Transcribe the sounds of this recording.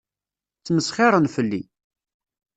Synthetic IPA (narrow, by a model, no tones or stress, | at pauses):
t͡sːməsχɪɾˤənfəlːḭ